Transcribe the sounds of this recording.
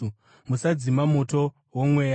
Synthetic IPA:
musad͡zimamoto | womwe̞j

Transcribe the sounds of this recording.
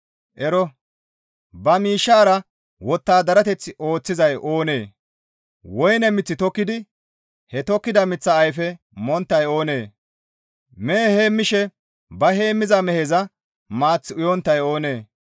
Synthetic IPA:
ʔɛɾɔ | bɐmiːʃːaːɾɐ | wɔt̪ːaːd̪ɐɾɐt̪ɛt͡sːɪʔo̞ːt͡sːɪzɐjʔo̞ːne̞ː | wɔjnɛmɪt͡sːɪt̪ɔkːɪd̪ɪ | hɛt̪ɔkːɪd̪ɐmɪt͡sːɐːjfɛ | mɔnt̪ːɐjo̞ːne̞ː | mɛːhe̞ːmːɪʃɛ | bɐɦe̞ːmːɪzɐmɛhɛzɐ | maːt͡sːɪʊjɔnt̪ːɐjo̞ːne̞ː

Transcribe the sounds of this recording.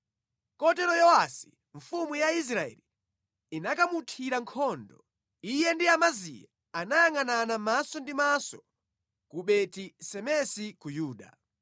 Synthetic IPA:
kɔtɛɾɔjɔwasi̥ | ɱfumujais̬ɾaɛ̰li | inakamutʰiɾaŋkʰɔːndɔ | ijɛndiamazḭja | anaaŋananamasɔndimasɔ̥ | kuɓɛtisɛmɛsikujuːɗa̰

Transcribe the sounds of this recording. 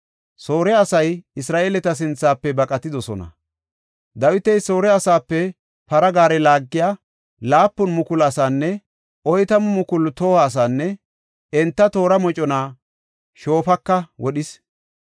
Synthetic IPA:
so̞ːɾɛɐsɐjɪsɾaːʔeːlɛt̪ɐs̬ɪnt͡sːaːpːɛbɐkʼɐt̪ːɪd̪ɔsɔ̰nɐ̰ | d̪ɐwɪt̪ɛjso̞ːɾɛɐsaːpːɛ | pɐɾɐɡaːɾɛlaːɡːɪjaː | laːpːʊnmʊkʊlɐsaːnːɛ | ʔɔjt̪ɐmʊmʊkʊlt̪o̞ːhɐːs̬aːnːɛ | ɛnt̪ːɐt̪o̞ːɾɐmɔt͡ʃʼɔnaː | ʃo̞ːfɐkːɐwɔɗɪs

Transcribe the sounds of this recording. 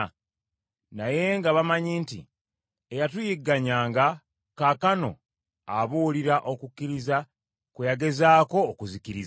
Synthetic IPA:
naje̞ŋɡaβamaɲiːntḭ | ejatujiɡːaɲaːŋɡa | kakano̞̰ | aβuliɾaʔo̞kukːiɾiza | kujaɡe̞zaːko̞ːkuziciɾiz

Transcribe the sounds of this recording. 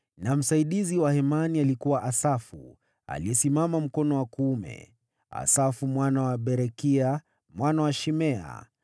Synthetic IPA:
nam̩saiɗiziwahɛmanialikuwaʔasafṵ | a̰liɛsimamam̩kɔnɔwakuumɛ̰ | a̰safumwanawaɓɛɾɛkia | mwanawaʃimɛa̰

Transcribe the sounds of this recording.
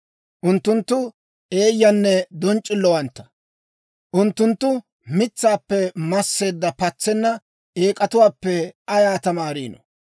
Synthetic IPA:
ʔʊnt̪ːʊnt̪ːʊ | ʔe̞ːjːɐnːɛd̪ɔnt͡ʃʼːɪlːɔwɐnt̪ːɐ̥ | ʔʊnt̪ːʊnt̪ːʊ | mɪt͡sːaːpːɛmɐsːe̞ːd̪ːɐpɐt͡sːɛnːɐ | ʔe̞ːkʼɐt̪ʊwaːpːɛɐjaːt̪ɐmaːɾiːnɔ̰

